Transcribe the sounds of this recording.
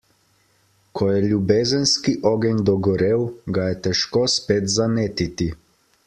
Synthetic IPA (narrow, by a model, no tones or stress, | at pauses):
kʰɔjɛlʲjubeːzənskiʔɔɡɛnʲd̪ɔɡɔɾeːwɡajɛt̪ɛʃkoːspeːt̪zameːt̪it̪i